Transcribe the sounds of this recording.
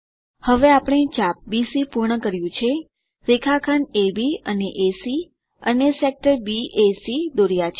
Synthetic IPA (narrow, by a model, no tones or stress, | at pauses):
həʋeapəɽ̃et͡ʃap̚bisipuɾɳəkəɾjũt͡ʃʰe | ɾekʰakʰanebiəneʔesi | ənesek̚ʈəɾbiesid̪oɾjat͡ʃʰe